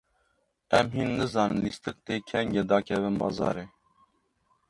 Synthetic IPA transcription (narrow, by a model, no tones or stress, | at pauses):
ɛmɦiːnːɨzɑːnɨ̰nlist̪ɨk̚t̪eːkʰɛŋɡɛd̪ɑːkʲʰɛvɨnbɑ̰ːzɑ̰ːɾeː